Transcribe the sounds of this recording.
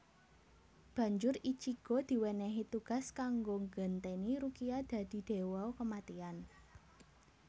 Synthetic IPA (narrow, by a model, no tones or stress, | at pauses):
b̥ä̤ɲd͡ʒʊɾit͡ʃiɡ̥od̪̥i̤wɛnɛɦit̪uɡ̥a̤skaŋɡoŋɡənt̪eniɾukiad̪̥ä̤d̪̥i̤d̪̥e̤wɔkəmat̪ian